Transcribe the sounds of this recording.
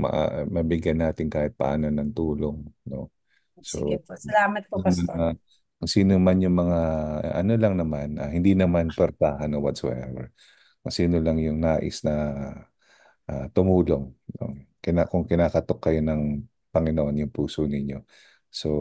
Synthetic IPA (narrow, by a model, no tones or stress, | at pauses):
mɐ̰ʔmɐbɪɡjɐnːaːt̪ɪŋkaːhɪt̪̚pɐ̰ʔa̰ːnonɐŋt̪uːloŋno̞̰ | so̰sɐlaːmɐt̪̚pomɐna | kʊŋsiːnomanjʊŋmɐŋaʔɐno̞lɐŋnɐmanʔahɪnd̪inɐmanpɛɾt̪aːɦɐnowɐt̪so̰ʔɛ̰vɛ̰ | kʊŋsiːnolɐŋjʊŋnaːʔɪsnɐ | ʔat̪ʊmuːlo̞ŋno̰kɪnakʊŋkɪnaːkɐt̪o̞kːɐjo̞nɐŋ | pɐŋɪnoʔonjʊŋpuːsonɪɲo̞ | so̞